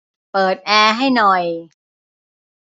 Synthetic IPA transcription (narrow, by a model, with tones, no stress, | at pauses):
pɤː˨˩t̪̚ʔɛː˧ɦa˥˩jnɔ˨˩j